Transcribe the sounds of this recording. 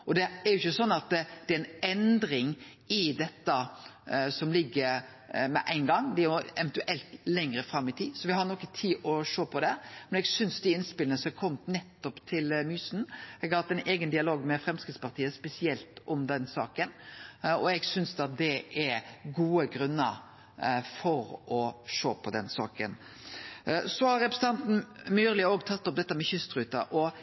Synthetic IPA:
ɔd̪ɛːɾjʊɪçːəsɔnːɑt̪d̪̥ɛɾɛnɛnd̪ɾɪŋ | ɪd̪ɛt̪ːə | sɔmlɪɡːəɾ | mɛ̰ʔæɪnɡɑŋːd̪ɛɛjʊɛʋənt̪ʉʔɛlt̪lɛŋɾəfɾɑmːɪt̪ʰiːsɔʋɪhɑɾnɔkːət̪ʰiːʔɔʂoːpʰɔd̪ɛmɛnɛɡsʏnsd̪iɪnspɪlənəsɛkʰɔmːt̪nɛt̪ːɔpt̪ʰɪlmyːsn̩ɛɡɑhɑt̪ːɛnʔeːɡənd̪ɪɑloːɡmɛfɾɛmskʁɪt̪spɑɾt̪ʰiːəspɛsɪɛlt̪ɔmd̪ɛnsɑ̰ːkənɔɛɡsʏnsd̪ɑt̪̚d̪ɛʔɛɡuːəɡɾʉnːə̰ɾ | fɔɾʔɔʂoːpʰɔd̪ɛnsɑ̰ːkə̰n | sɔhɑɾɛpɾsn̩ɑnt̪n̩myːɾlɪoːɡt̪ʰɑt̪ːɔp̚d̪ɛt̪ːəmɛçʉst̪ɾʉːt̪ɑ̰ʔɔ

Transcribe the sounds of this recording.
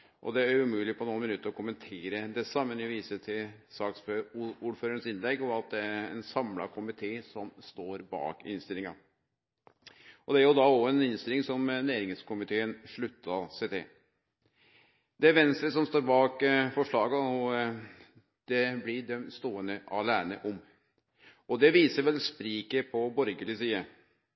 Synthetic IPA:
ʔɔ̰d̪ɛæɾʉmʉːlɪpʰɔnuːnmɪnʉt̪ːəɾɔkʰʊmənt̪ʰeːɾəd̪ɛsɑmːənɪʋiːsət̪ʰɪlsɑːksføuːɖføːɾəɾənsɪnlɛɡːɔɑt̪̚d̪ɛæɛnsɑmlɑ̰kʰʊmɪt̪ʰeːsɔmst̪oːɾbɑ̰ːkɪ̰nst̪ɪlɪŋɑ̰ | ʔɔd̪ɛæɾjʊd̪ɑɔɛnɪnst̪ɪlɪŋsɔmnæːɾɪŋskʰʊmɪt̪ʰeːənʂɭʉt̪ːɑset̪ʰḛː | d̪ɛʋɛnst̪ɾəsɔmst̪oːɾbɑːkfɔʂɭɑːɡɑɔ | d̪̥ɛblɪɖ̪ɛmst̪oːənəʔɑlæːnə̰ʔɔm | ɔd̪ɛʋiːsəɾʋɛlspɾiːkəpʰɔbɔɾɡəlɪsiːə

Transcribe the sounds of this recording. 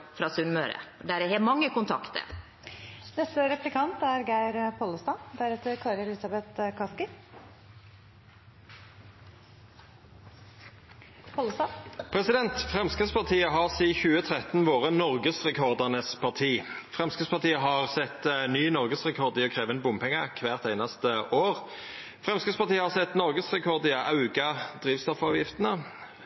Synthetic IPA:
fɾɑːsʉnmø̰ːɾə̰d̪æɾɛhɛːmɑŋːəkʊnt̪ʰɑ̰kt̪ə̰ɾ | nɛst̪əɾɛplɪkʰɑnt̪æɾɡæɪɾpʰɔləst̪ɑːd̪æɾɛt̪əɾkʰɑːɾəlɪsɑbɛt̪kʰɑskə | pʰɔlst̪ɑpʰʁɛsɪd̪ɛnt̪fʁɛmskəspɑʁt̪ʰiːəɦɑʁsiːçʉːət̪ʰʁɛt̪nʋoːʁənɔʁɡəsʁɛkʰɔʁd̪əʁnəspʰɑʁt̪ʰiːfʁɛmskəspɑʁt̪iːəɦɑʁsɛt̪nyːnɔʁɡəsʁɛkʰɔʁd̪ɪɔkʰʁeːʋənbʊmpɛŋːəkʰʋæːʁt̪æɪnɑst̪əoːʁ | fʁɛmskəspɑʁt̪iːəhɑʁsɛt̪nɔʁɡəsʁɛkʰɔʁd̪ɪʔɑʉɡɑd̪̥ʁiːʋst̪ɔfɑːʋjɪft̪ənə

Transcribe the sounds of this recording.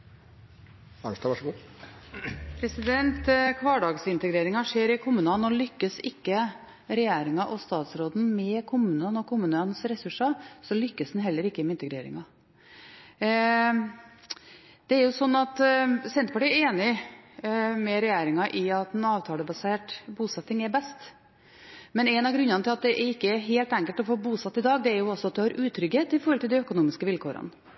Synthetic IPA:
ɑnʂʈ̪ɑʋɑʂəɡuː | pʰɾɛsɪd̪ɛnt̪kʰʋɑːɖɑːɡsɪnt̪əɡɾeːɾɪŋɑʂeːɾɪkʰʊmʉːnɑnɔlʏkːəsɪkːə | ɾɛjeːɾɪŋɑʔɔst̪ɑːt̪sɾoːd̪n̩mɛkʰʊmʉːnɑnɔkʰʊmʉːnɑnsɾɛsʉʂɑsɔlʏkːəsd̪nɦɛlːəɾɪkːəmɛɪnt̪əɡɾeːɾɪ̰ŋɑ | d̪̥ɛæɾjʊsɔnːɑt̪sɛnt̪əpʰɑʈiːɾeːnɪ | mɛɾɛjæːɾɪŋɑʔɪɑt̪ɛnɑːʋt̪ʰɑːləbɑseːʈbuːsɛt̪ːɪŋɛɾbɛst̪ | mɛnɛnɑɡɾʉnːɑnət̪ɪlɑt̪̚d̪ɛʔɛɾɪkːəɦeːlt̪æŋkəlt̪ɔfoːbuːsɑt̪ːɪd̪ɑːɡd̪ɛæɾjʊɔsːɔɑt̪̚d̪ɛhɑɾʔʉːt̪ʰːɾʏɡheːt̪ɪfɔɾhɔlt̪ʰɪld̪ɛœkʊnuːmɪskəʋɪlkʰoːɾɑ̰n

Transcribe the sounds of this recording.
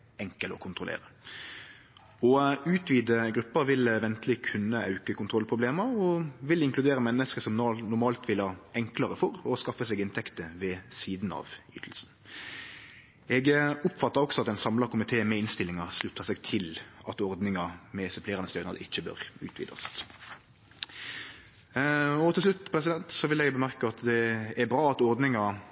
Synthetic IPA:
ɛŋkəlɔkʰʊnt̪ʁʊlḛːɾə | ɔʉːt̪ʰʋiːd̪əɡɾʉpːəʋɪlʋɛnt̪lɪkʰʉnːəɑʉkəkʰʊnt̪ʰʁɔlpʰʁʊbleːməɔʋɪlɪŋklʉd̪eːɾəmɛnːəskəsɔmnnʊʁmɑːlt̪ʰʋɪlhɑɛŋkləʁəfɔʁɔskɑfːəsɛːɡɪnt̪ʰɛkt̪əʋɛsiːd̪nɑ̰ʋy̰ːt̪ʰəl̩sn̩ | ɛɡʊpfɑt̪ːɑɾɔksɔɑt̪ːɛɪnsɑmlɑkʊmɪt̪ʰeːmɛɪnst̪ɪlːɪŋɑslʉt̪ʰːɑsɛɡt̪ʰɪlɑt̪ɔʁd̪nɪŋɑmɛsœpʰleːʁɑnəsœʏnɑ̰d̪ə̰ɪçːəbø̰ːɾʉ̰ːt̪ʰʋḭːd̪ɑ̰st̪ | ɔt̪ʰɪlslʉt̪ːpʰɾɛsɪd̪ɛnt̪sɔʋɪlɛɡbəmæʁkəɑt̪d̪ɛæɾbɾɑːɑt̪ɔʁd̪nɪŋɑ

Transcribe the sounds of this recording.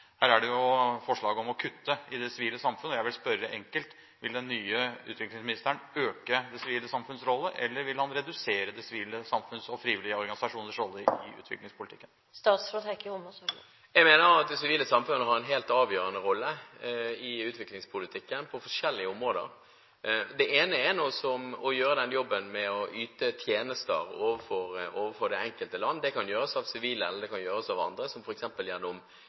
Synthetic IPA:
hæːɾæɖɛjʊfɔʂɭɑːɡəɔmɔkʰʉt̪ːəɪd̪ɛsɪʋiːləsɑmfʉnːəɔjæɪʋɪlspœɾəʔɛŋkəlt̪ | ʋɪld̪ɛnːyːəʉ̰ːt̪ʋɪklɪŋsmɪnɪst̪əɳøːkəd̪ɛsɪʋiːləsɑmfʉnsɾɔlːəʔɛ̰lːəɾʋɪlhɑnɾɛd̪ʉseːɾəd̪ɛsɪʋiːləsɑmfʉnsɔfɾiːʋɪlɪəɔɾɡɑnɪsɑʂuːnəʂɾɔlːəɪ̰ʉ̰ːt̪ʰʋɪ̰klɪŋspʰʊlɪt̪ʰɪ̰kːən | st̪ɑːt̪sfɾɔt̪ʰɛkəʊməs | jɛɡmeːnəɾɑt̪̚d̪ɛsɪʋiːləsɑmfʉnəhɑɾɛnɦeːlt̪ɑːʋjøːɾənəɾɔlːə | ɪʉːt̪ʋɪklɪŋspʰʊlɪt̪ʰɪkːənpʰɔfɔʂɛlːɪəʊmɾoːd̪ə̰ɾ | d̪ɛʔeːnəɛnoːsɔmɔjøːɾəd̪ɛnjɔbːənmɛɔʔyːt̪ət̪ʰjeːnəst̪ə̰ɾoːʋəfɔɾoːʋəfɔɖ̪ɛɛŋkəlt̪əlɑnːd̪ɛkɑnjøːɾəsɑːʋsɪʋiːləɛləd̪ɛkʰɑnjøːɾəsɑʋɑ̰nd̪ɾəsɔmfɔɾɛksɛmpəljæʁd̪ʊm

